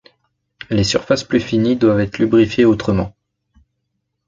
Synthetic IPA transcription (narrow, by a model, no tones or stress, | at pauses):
lesyʁfasplyfinid̪wavɛt̪χlybʁifjeot̪χəmɑ̰̃